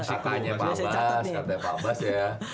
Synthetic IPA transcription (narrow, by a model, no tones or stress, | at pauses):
st̪aɲapabaskat̪apabasja